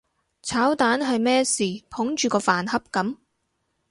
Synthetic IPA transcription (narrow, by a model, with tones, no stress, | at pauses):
t͡sʰaː˨˥wt̪aː˨˥nɦɐ˨jmɛː˥siː˨pʰʊ˨˥ŋt͡ʃyː˨kɔː˧faː˨nhɐ˥p̚kɐ˨˥m